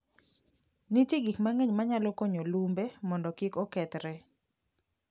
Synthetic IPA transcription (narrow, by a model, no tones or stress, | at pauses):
nitjiɡikmaŋeɲmaɲalɔkoɲolumbemɔndɔkɪkɔkɛt̪ɾɛ